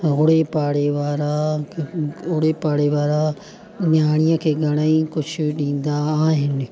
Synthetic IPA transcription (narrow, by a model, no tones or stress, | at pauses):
ɦʊɽepaːɽeʋaːɾa | ʊɽepaːɽeʋaːɾa | njaːɽ̃ijəkʰeːɡʱɐɽ̃aĩkʊt͡ʃʰʊɗĩːn̆d̪aːɦɪnɪ